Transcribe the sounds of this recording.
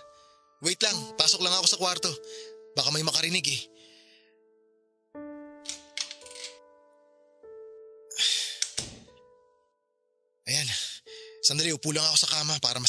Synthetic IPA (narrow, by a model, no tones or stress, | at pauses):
wɛjt̪lɐŋpaːsok̚lɐŋɐko̞sɐkwaɾt̪o̞baːkɐmojmɐkɐɾɪnɪɡɛ | ʔɐjan | sɐnd̪ɐliʔʊpuːlɐŋɐko̞sɐkaːmɐpaːɾɐmɐ